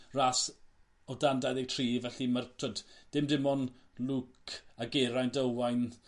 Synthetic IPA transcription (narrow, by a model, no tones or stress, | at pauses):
ras | ɔdandajðɛtʰriːvɛɬimartʰwədd̥ɪmdɪmɔnlˠukʰaɡeɾajndəwajn